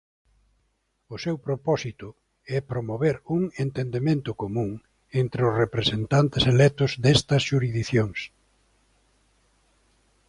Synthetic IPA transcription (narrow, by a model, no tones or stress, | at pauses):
ʊsewpɾopɔsit̪ʊ | ɛpɾomoβeɾuŋent̪end̪emẽnt̪ʊkomũŋ | ent̪ɾeʊsrepɾesent̪ant̪ɪselɛt̪ʊzd̪est̪ɐsʃuɾizðiθjoŋs